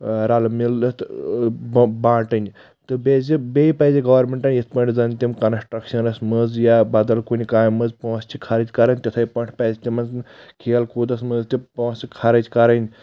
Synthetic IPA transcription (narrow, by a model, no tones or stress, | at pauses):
ɾalmilɐt̪ | bãːʈɐnʲ | t̪ɨbezibejpɐziɡɐʋɐɾmeɳʈɐnʲjit̪̚ʰpɐɳʈʰʲzɐnʲt̪ʲimkɐnsʈɾɐkʃɐnɐsmɨzjabɐd̪ɐlkunʲikaːjmɐzpõːst͡ʃʰikʰaɾɐd͡ʒʲkɐɾɐnʲt̪ʲit̪ʰɐjpɐɳʈʲʰpɐzʲt̪ʲimɐnznkʰeːlkud̪ɐsmɨzt̪ipõːsikʰɐɾɐd͡ʒʲkɐɾɐnʲ